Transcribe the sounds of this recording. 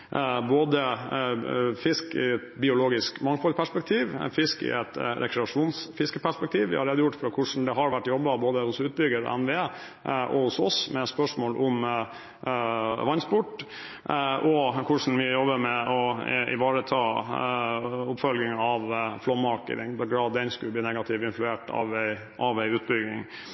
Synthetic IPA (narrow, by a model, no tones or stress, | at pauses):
boːd̪ə | fɪskɪ̰ɛt̪bɪʊloːɡɪskmɑŋfɔlpʰæʂpɛk̚t̪ʰiːʋfɪskɪ̰ʔɛt̪ɾɛ̰kɾɛɑʂuːnsfɪskəpʰæʂpɛk̚t̪ʰiːʋɪ̰hɑ̰ɾeːd̪əjʊʈːfɾɑkʰʊʂn̩d̪ɛɦɑɾʋæʈːjɔbːɑboːd̪əhʊsʉːt̪̚bʏɡəd̪̰ʔɛ̰nʋe | ʔɔ̰hʊsɔ̰smɛspœʂmoːlʔʊm | ʋɑnspʊʈː | ʔɔkʰʊʂɳ̩ʋɪjɔbːəmɛʔɔɪ̰ʋɑːɾət̪ʰɑː | ʊpfɔlɡɪŋɑʋflɔmːɑɾkə̰t̪ɪ̰ŋb̪ɛɡɾɑːd̪ɛnskʉlb̪iːnɛɡɑt̪ʰɪʋɪnflʉeːʈɑ̰ʋæɪ | ʔɑʋæɪʉːt̪̚bʏɡɪ̰ŋ